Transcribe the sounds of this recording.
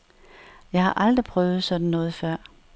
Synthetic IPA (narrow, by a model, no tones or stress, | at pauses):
jɑ̈ɪhɑ̈ʔɑ̈ld̥ʁipʰʁœːʊð̞̩ˠsɒ̽d̥n̩nɔ̽ːð̞̩ˠfɶɐ̰